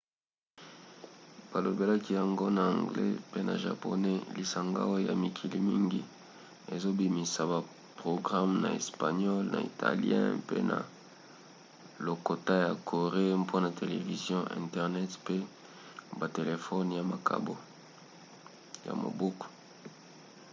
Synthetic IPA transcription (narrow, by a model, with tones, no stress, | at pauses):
b̥a˨lo˨be˦la˦ki˦ja˨ŋɡo˦na˨ã˨ŋɡlḛ˦pe˦na̰˨ʒa̰˨po̰˨ne˦li˨sa˨ŋɡa̰˦wo˦ja̰˨mi˨kʰi˨li˦mi˦ŋɡi˦ | e˨zo˦bi˨mi˨sa˨ba˨ | pʁo˨ɡʁa˦mna̰˨e˨spa˨ɲɔ˦lna̰˨ḭ˨tʰa̰˨ljɛ̰̃˦pḛ˦na̰˨ | lo˨ko˨ta˦ja˨kʰo˨ʁe˦pʰo˦na˨tʰe˨lḛ˨vi˨zjɔ̃˦ʔɛ̰̃˨ntɛ˨ʁnɛ˦tpe˦ | ba˨te˨le˨fɔ˦nja˨ma˨kʰa̰˨bo˦ | ja̰˨mo̰˨bu˦ko̥˨